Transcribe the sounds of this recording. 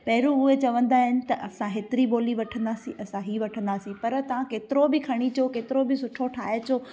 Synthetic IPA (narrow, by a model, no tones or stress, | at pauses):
pɐɦɪɾũʊɦet͡ɕɐʋə̃nd̪aːɦɪnɪ̆t̪ɐʔɐsãɦeːt̪ɪɾiɓoːliʋɐʈʰə̃nd̪aːsĩʔɐsãɦiʋɐʈʰə̃nd̪aːsĩpɐɾt̪ɐʋ̤ãkeːt̪ɪɾobɪkʰɐɽ̃it͡ɕokeːt̪ɪɾobɪsʊʈʰoʈʰaːɦet͡ɕoː